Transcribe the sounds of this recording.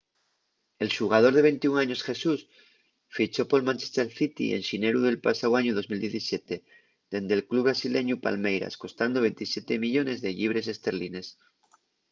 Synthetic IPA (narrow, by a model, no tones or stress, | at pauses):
e̞lʃuɣ̞að̞o̞ɾð̞e̞β̞e̞nt̪iuŋaɲo̞sxe̞sus | fit͡ʃo̞po̞lmãnt͡ʃe̞st̪eɾθit̪ḭḛnʃineɾuðe̞lpasawaɲuðo̞zmild̪jeθisje̞t̪e̞ | ðe̞nd̪elkluβɾasile̞ɲupa̰lme̞jɾa̰sko̞st̪and̪o̞βe̞nt̪isje̞t̪e̞miʎo̞ne̞zðe̞ʎiβ̞ɾe̞s̬e̞st̪e̞ɾline̞s